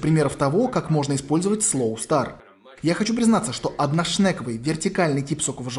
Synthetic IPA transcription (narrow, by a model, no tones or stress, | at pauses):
pɾʲɪmʲe̞ɾəft̪ɐvo̞kakmo̞ʐnəɪspo̞lʲzəvətʲslˠowst̪ar | jaxɐt͡ɕupɾʲɪznat̪səʂt̪o̞ʔɐd̪naʂnɛkəvɨjvʲɪrtʲɪkalʲnɨjtʲipsokəvəʐ